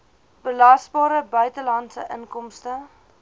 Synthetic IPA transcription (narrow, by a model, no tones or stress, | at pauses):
b̥əlɐsbɑːɾəbœɥtəlɐntsə̰ʔənkɔmstə